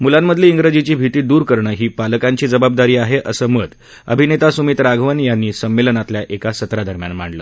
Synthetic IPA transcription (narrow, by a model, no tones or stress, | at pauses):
mulamːəd̪ʱleiŋɡɾəd͡ʑit͡ɕiːbʱit̪iːd̪uːɾkəɾɳəːɦiːpaləkaɲt͡ɕiːd͡zəbab̚d̪aɾiːaɦeʔəsəːməd̪ | ə̰bʱinet̪asumiːt̪ɾaɡʱʋanjanːiːsəmːelənat̪ljaʔekasət̪ɾad̪əɾmjanm̤aɳlə̰ː